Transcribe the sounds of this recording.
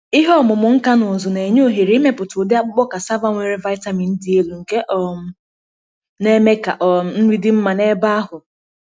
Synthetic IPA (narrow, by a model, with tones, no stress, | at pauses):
ɪ˦ɦɔ˦˨mʊ˨mʊ˨ŋ̩˦ka˦nʊ˨zʊ˨ne˨ɲo˦˨ɦe˨ɾi˨˦me˦pʊ˨tʊ˨de˦a˦k͡pʊ˦k͡pɔ˦ka˨sa˦va˦ŋʷe˨ɾi˦va˦ɪ˦ta˦mi˨n̩˦dɪ˦e˦lu˨ŋ̩˨ke˦ʔɔ˨m˨ | ne˦me˦ka̰˨ʔɔ˨n̩˦ɾi˦dɪ˦m̩˦ma˨ne˦ba˦a˦ɦʊ˨